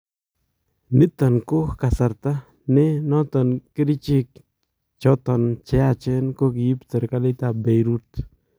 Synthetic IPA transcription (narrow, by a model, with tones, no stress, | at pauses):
ni˦t̪a˨nko˦hka˨sa˨ɾt̪a˦ | ne˦nɔ˦t̪a˨nki˦ɾi˦t͡ʃi˦k̚ | t͡ʃo˦t̪a˨nt͡ʃe˦a˦˧t͡ʃe˦nko˦kji˦pt̪e˨ɾka˦li˦t̪a˧be˨jɾu˦t̪